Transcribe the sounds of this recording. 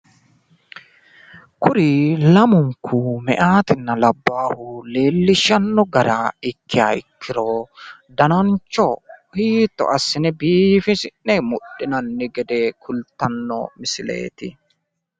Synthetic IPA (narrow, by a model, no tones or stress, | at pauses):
kʊɾɪlɐmʊŋkʰumɛ̰ʔaːt̪ɪnːɐlɐbːaːhʊle̞ːlːɪʃɐnːɔɡɐɾaːɪkːɪja̰ɪkʰːɪɾoːd̪ɐnɐnt͡ʃːɔhiːt̪ːɔ̰ʔɐsːɪnɛbiːfɪsɪnːɛmʊɗːɪnɐnːɪɡɛd̪ɛkʰʊlt̪ːɐnːɔ̰mɪsɪlḛːt̪ɪ